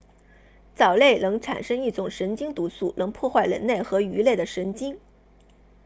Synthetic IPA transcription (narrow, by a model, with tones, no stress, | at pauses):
t͡sɑ˨˩ʊle˥˩ɪnɤ˧˥ŋʈ͡ʂʰa̰˨˩nʂɤ˥ŋi˥˩ʈ͡ʂʊ˨˩ŋʂə˧˥nt͡ɕi˥ŋt̪u˧˥su˥˩nɤ˧˥ŋpʰwɔ˥˧xwa˥˩ɪlə̰˧˥nle˥˩ɪxɤ˧˥y˧˥le˥˩ɪd̪ə˩ʂə˧˥nt͡ɕi˥ŋ